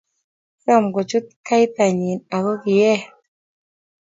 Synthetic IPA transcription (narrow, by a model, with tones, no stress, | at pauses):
ɾɔ˦˨mɡɔ˨t͡ʃu˦t̪̚ka˦jta˨ɲi˨na˨ɡo˦ki˨jɛ˦˨